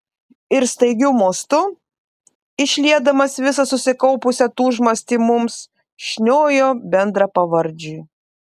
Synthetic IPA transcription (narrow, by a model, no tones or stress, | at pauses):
ɪɾst̪ɐɪɡʲʊmoːst̪ʊ | ɪʃʲlʲiɛd̪ɐmɐsʋʲɪsɐsʊsʲɪkɐʊpʊsʲɛt̪uːʒmɐsʲt̪ʲiːmʊms | ʃʲnʲoːjoːbʲɛnd̪ɾɐpɐʋɐɾʲˑd͡ʒʲuː